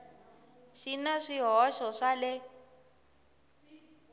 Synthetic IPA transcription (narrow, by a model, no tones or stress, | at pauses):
ʃinaʂiɦɔʃɔʂalɛ